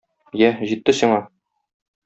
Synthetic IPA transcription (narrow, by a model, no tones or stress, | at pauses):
jæʑit̪ːɘsiɴɑ